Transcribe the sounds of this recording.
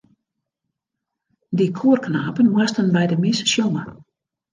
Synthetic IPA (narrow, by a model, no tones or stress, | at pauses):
dikʰuːərknaːpənmastənbɛjdəmɪssjoŋə